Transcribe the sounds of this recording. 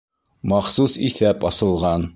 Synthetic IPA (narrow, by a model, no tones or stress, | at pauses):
mɑχsusiθæpɒsɤ̆lˠʁɑn